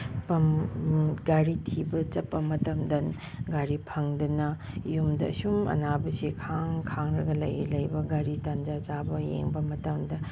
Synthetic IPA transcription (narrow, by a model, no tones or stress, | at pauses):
pɐm | ɡaɾitʰibɐt͡ʃɐpːɐmɐtɐmdɐn | ɡaɾipʰɐŋdɐnɐ | jumdɐ̰ːsumɐ̰nabɐsikʰaŋkʰaŋɾɐɡɐlɐ̰j̰lɐjbɐɡaɾitand͡ʒat͡ʃabɐjḛŋbɐmɐtɐmdɐ